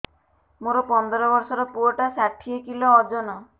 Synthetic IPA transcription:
moɾɔpɔnd̪ɔɾɔbɔɾsɔɾɔpuɔʈasaʈʰiekilɔːd͡ʒɔnɔ

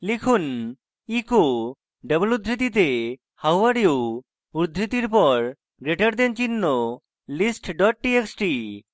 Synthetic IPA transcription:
likʰun | iko | ɖəblud̪ʱɾit̪̬it̪e | hawʋaɽio | uɾd̪ʱɾit̪iɾpɔɾ | ɡɾeʈaɾd̪ent͡ʃinːɔ | lisʈɖɔʈ̚ʈieksʈi

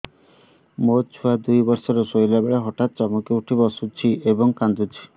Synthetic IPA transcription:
mot͡ʃʰuad̪ujbɔɾsɔɾɔsojlabeɭeɦɔʈat̪̚t͡ʃɔmukeuʈʰibɔsut͡ʃʰiʔebɔŋkand̪ut͡ʃʰi̥

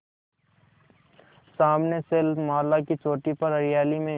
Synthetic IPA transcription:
saːmneselmaːlakit͡ʃoːʈipɐɾɐɾɪjaːlimẽ

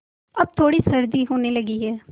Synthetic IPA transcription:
əb̚t̪ʰoːɽiːsəɾd̪iːɦoːneːləɡiːɦɛː

